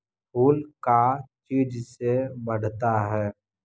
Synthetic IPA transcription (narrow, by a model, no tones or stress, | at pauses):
ɦuːlkat͡ʃiːd͡ʒsebəɽ̤t̪aɦɛː